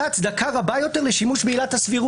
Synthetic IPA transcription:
aːt͡sd̪akaʁabajo̞t̪e̞ʁleʃimuʃbeiːlat̪hasviʁu

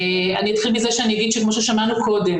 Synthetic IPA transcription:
a̰niot̪χilmizeʃeanijaɡid̪̚ʃekmo̞ʃeʃamanukʰo̞de̞m

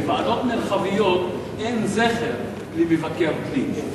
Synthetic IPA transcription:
vaadot̪meʁχavijot̪ | enzeχeʁ | limevakeʁklin

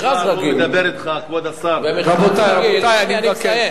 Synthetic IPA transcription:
azaɡid̪abeɾit̪χakvod̪asammʁabot̪ajaot̪ajaniake

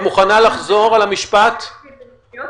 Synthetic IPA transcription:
muχanalaχzo̞ʁalamiʃpat̪

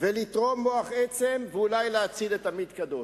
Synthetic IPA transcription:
velit̪ʁo̞mːo̞aχet͡semveulajleat͡sidet̪amid̪kad̪o̞

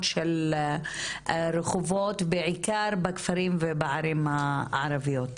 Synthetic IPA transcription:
tʃel | ɾeχovot̪beʕikaɾbakfaɾimvebaʕaɾimhaʕaɾavijot̪

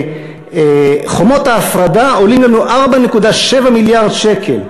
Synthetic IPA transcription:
eχomo̞taːfʁadao̞limlanuʔaʁbane̞kudaʃe̞vamiljaʁd̪ʃe̞kʰe̞̰l

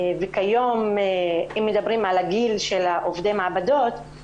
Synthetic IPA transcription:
vekajo̞m | imːed̪abʁimʕalaɡilʃelaʔovd̪emaʕabad̪o̞t̪

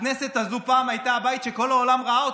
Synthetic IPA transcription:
nese̞t̪azupaːmajt̪aːbajit̪ʃe̞ko̞laolamʁaao

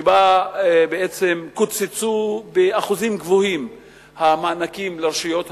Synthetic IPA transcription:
babeet͡semkut͡sit͡subeaχuzimɡvohim | hamaːnakimleʁʃijo̞t̪h

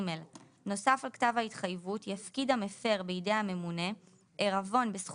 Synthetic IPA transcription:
mel | no̞safalktavhaitχajvutjafkidhamefe̞ʁbeidejame̞mune̞ | ʔeʁavo̞nbesχ

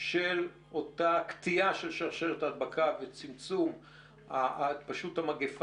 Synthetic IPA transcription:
ʃel | o̞takt̪iaʃe̞lʃaʁʃeletad̚bakʰavet͡simt͡sum | apaʃutamaɡef

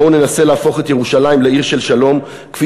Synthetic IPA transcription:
one̞nase̞leːfo̞χet̪je̞ʁuʃalajimleiʁʃe̞lʃalo̞m | kfi

